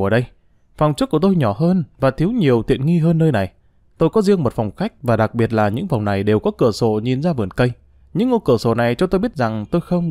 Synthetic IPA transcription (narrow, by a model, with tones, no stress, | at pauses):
əː˧˩ɗə˧j | fa˨˩wŋ͡mt͡ɕk̚u˧˩ət̪o˧jɲɔ˧˩ɦəː˧nvaː˨˩t̪ʰi˨˦əwɲi˨˩əwt̪ḭ˧˨ənŋi˧ɦəː˧nːəː˧jna˨˩j | t̪o˧jkɔ˨˦zi˧əŋmo˨˩t̚fa˨˩wŋ͡mxa˦˥jk̟̚vaː˨˩ɗa˨˩k̚ɓi˨˩ət̚laː˨˩ɲɨ̰˧˥ŋvfɔ˨˩wŋ͡mna˨˩jɗe˨˩wkɔ˨˦kɨ˧˩əso̰˧˩ɲi˨˩nzaː˧vɨ˨˩ənkə˧j | ɲɨ̰˧˥ŋːo˧kɨ˧˩əso̰˧˩na˨˩jt͡ɕɔ˧t̪o˧jɓi˦˥ət̚za˨˩ŋt̪o˧jxə˧wŋ͡m